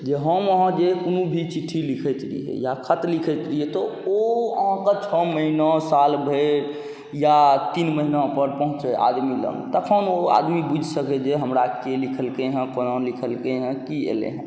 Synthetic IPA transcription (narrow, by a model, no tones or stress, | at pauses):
d͡ʒeɦəməɦãd͡ʒekonubʱit͡ʃiʈʰːilikʰɛt͡ʃlḭɦɛ̰jakʰət̪likʰɛt͡ʃ̪liɦet̪ɔoəɦãkət͡ʃʰəməɦinɔsalbʱeɾ | jat̪inməɦinapəɾpəɦũt͡ʃeʔa̰d̪milə̰nt̪əkʰənoa̰d̪mibud͡ʒʱsəkɛd͡ʒeɦəmɾakelikʰəlkeɦə̃konãlikʰəlkeɦə̃kiḛlḛɦə̃